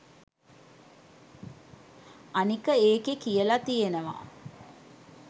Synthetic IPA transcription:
anikəeːkekijəlat̪ijenəʋa̰

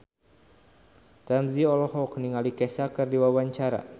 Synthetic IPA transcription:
damziɔlɔɦɔkniŋalikɛsakɨrdiwawaɲt͡ʃaɾa̰

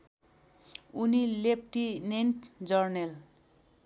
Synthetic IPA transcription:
unilep̚ʈinenʈd͡zʌrnel

